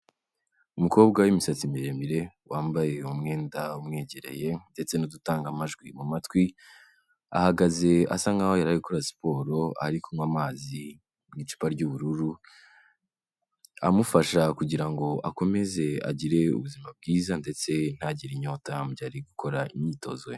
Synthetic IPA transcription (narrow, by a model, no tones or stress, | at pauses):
umuko̞ːbɡawimisat͡simiɾe̞mbiɾe̞waːmbaje̞umŋe̞ːndaumŋe̞ːɟe̞ɾe̞̰je̞nde̞t͡se̞nudutaːŋɡamaʒɡwimumatwi | a̰haɡaze̞a̰saŋɡawojaɾaiɡukoɾasi̥po̞ːɾo̞a̰ɾikomwaːmaːzi | mŋit͡ʃu̥paɾɟuβuɾuɾu | a̰mufaʃakuɟiɾaŋɡo̞ako̞me̞ze̞a̰ɟiɾe̞ṵβuzimab̚ɡiːzande̞t͡se̞n̥haɟiɾiɲoːtabɟaːɾiɡukʰo̞ɾaiɲiːto̞̰zo